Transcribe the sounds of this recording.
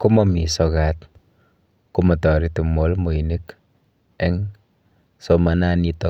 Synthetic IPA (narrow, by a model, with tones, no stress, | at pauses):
ku˦mɔmi˨sɔkat | kumɔ˨tɔ˨ɾi˦tu˨molmo˨i˨nik | ɛ˦ŋ | soma˨nanitɔ